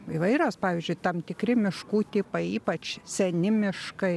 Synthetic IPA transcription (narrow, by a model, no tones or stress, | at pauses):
iʋɐɪɾʲoːspɑːʋʲiːzʲd͡ʒʲʊɪt̪ɐmt̪ʲɪkɾʲɪmʲɪʃkuːt̪ʲiːpɐɪiːpɐt͡ʃsʲɛnʲɪmʲɪʃkɐɪ